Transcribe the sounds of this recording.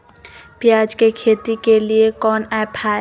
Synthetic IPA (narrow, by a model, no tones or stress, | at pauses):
pɪjaːd͡ʒkekʰeːt̪ikeliekɔːnɛpʰaːe